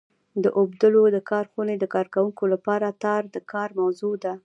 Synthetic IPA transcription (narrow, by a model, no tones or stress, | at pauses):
d̪əʔobd̪əlod̪əkɑɾxuned̪əkɑɾkawuŋkolapɑɾat̪ɑɾd̪əkɑɾmawzod̪a